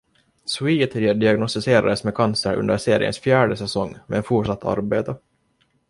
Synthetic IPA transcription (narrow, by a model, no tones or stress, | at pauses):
swiːt̪ʰɪɖɪaɡnɔst̪ɪseːɾa̰d̪əsmɛkʰansəɾʔɵ̰nd̪əɾseːɾɪ̰ə̰nsfjæːɖəsɛsɔŋːmḛːɛnfuʈʂat̪ʰːa̰ɾbeːt̪a